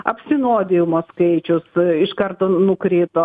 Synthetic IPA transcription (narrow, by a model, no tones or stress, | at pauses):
ɐ̰pʲsʲɪnoːd̪ʲɪjʊmoːskɐɪt͡ʃʲʊsɪʃkɐrt̪oːnʊkɾʲeːt̪oː